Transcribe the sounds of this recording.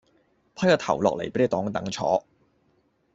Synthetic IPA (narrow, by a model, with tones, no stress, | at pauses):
pʰɐ˥jkaː˧t̪ʰɐ̰˨˩wlɔː˨k̚le˨˩jpe˨˥le˨˧˩t̪ɔː˨˥ŋt̪ɐ˨˥ŋt͡ʃʰɔ̰ː˨˥